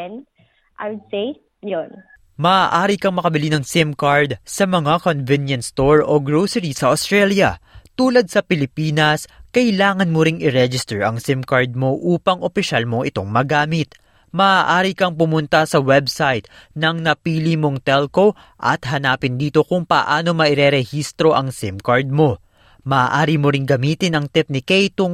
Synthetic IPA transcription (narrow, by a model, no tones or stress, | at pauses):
n | ʔajwʊd̪sej | jon | mɐaʔaːɾikɐŋmɐkɐbɪlinɐŋsɪmkɐɹd̪sɐmɐŋakonvɪnjɐnst̪oɹoɡɹowsɛɹisɐʔost̪ɾɛljɐt̪uːlɐd̪̚sɐpɪlɪpiːnɐskɐɪlaːŋɐnmoɾɪŋɪɾɛd͡ʒɪst̪ɛɹʔɐ̰ŋsɪmkaɹd̪̚mo̞ʔuːpɐŋʔopɪʃalmo̞ŋʔɪ̰t̪o̞ŋmɐɡaːmɪt̪ | mɐʔaʔaːɾikɐŋpʊmʊnt̪ɐsɐwɛbsajt̪̚nɐŋnɐpiːlimo̞ŋt̪ɛlko̞ | ʔɐ̰t̪ɦɐnaːpɪnd̪iːt̪o̞kʊŋpɐ̰ʔaːno̞mɐʔɪɾɛɾɛhist̪ɾo̞ʔɐŋsɪmkaɹd̪̚mo̞ | mɐʔaːʔaːɾimoɾɪŋɡɐmiːt̪ɪnɐŋt̪ɪp̚nɪkɛjt̪ʊŋ